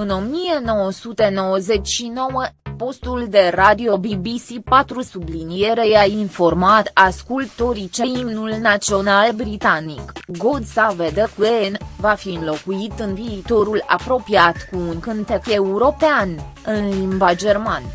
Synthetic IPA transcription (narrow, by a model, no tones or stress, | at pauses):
ɨno̞mije̞no̞wəsut̪e̞no̞wəze̞t͡ʃʲʃino̞wəpo̞st̪uld̪e̞rad̪io̞bibisipat̪ɾusublinije̞ɾe̞jainfo̞rmat̪askult̪o̞ɾit͡ʃe̞imnulnat̪sio̞nalbɾit̪anḭkɡo̞d̪saved̪əkuenvafiɨnlo̞kuit̪ɨnviːt̪o̞ɾula̰pɾo̞piat̪kuːnkɨnt̪efe̞uɾo̞pean | ɨnlimbad͡ʒe̞rman